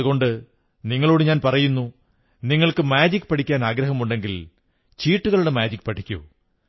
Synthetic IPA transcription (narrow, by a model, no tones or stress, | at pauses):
uɣo̞ɳɖɨ | niŋːɐɭoːɽɨɲaːnpɐrɐjunːu | niŋːɐɭkɨmaːd͡ʑikʲːɨ̥pɐʈʰikʲːaːnaːɡɾɐɦɐmuɳɖe̞ŋɡil | t͡ɕiːʈːuɣɐɭuɽe̞maːd͡ʑikʲːɨ̥pɐʈʰikʲːṵ